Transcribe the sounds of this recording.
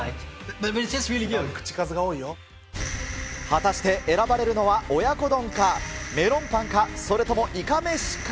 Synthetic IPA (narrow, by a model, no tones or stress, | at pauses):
bbesesiliɡkɯ̟̥t͡ɕi̥kazɨɡao̞ːijo | hat̪aɕi̥t̪e̞ʔe̞ɾabaɾe̞ɾɯ̟no̞βao̞jako̞d̪õ̞ŋkame̞ɾõ̞mp̪ãŋkaso̞ɾe̞t̪o̞mo̞ʔikame̞ɕi̥k